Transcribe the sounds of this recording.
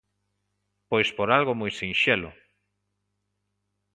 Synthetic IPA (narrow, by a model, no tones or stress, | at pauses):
pojspoɾalɣomojsinʃelʊ̰